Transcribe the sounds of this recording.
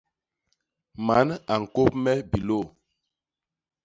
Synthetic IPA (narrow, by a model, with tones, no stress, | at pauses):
ma˨˦na˨ŋ̩˨ko˦p̚mɛ˦bi˨lo˦˨